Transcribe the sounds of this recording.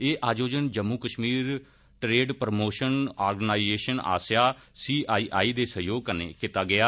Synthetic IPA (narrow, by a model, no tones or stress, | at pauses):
eːʔaːd͡ʒoːd͡ʒənd͡ʒəmːuːkəʃmiːɾ | ʈɾeːɖpɾmoːʃənaːɾɡənaːizeːʃəna̰ːsjaːsiːʔaːiːʔaːiːd̪eːsəjoːɡ̚kənḛːkit̪aːɡɪaː